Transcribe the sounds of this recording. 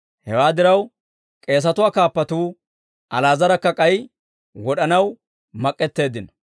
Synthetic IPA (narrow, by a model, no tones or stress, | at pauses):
hɛwaːd̪ɪɾɐw | kʼe̞ːs̬ɐt̪ʊwaːkaːpːɐt̪uː | ʔɐlaːzɐɾɐkːɐkʼɐj | wɔɗɐnɐw | mɐkʼːɛt̪ːe̞ːd̪ɪnɐ